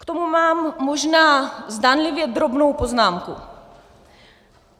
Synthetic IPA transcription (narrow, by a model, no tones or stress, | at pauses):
kt̪omumaːmːoʒnaːzd̪aːnlivjɛd̪ɾobnowpoznaːmku